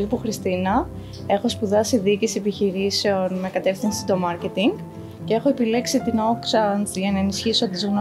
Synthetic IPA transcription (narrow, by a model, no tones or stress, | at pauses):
puxɾist̪inɐ | e̞xo̞spuðɐsiðicisepiçiɾiseo̞nme̞kɐt̪e̞fθinsi̥t̪o̞mɐɾce̞t̪iŋɡ | cee̞xo̞e̞pile̞ksit̪inoksɐnt͡sʝɐnɐenisçisoot̪izunɐ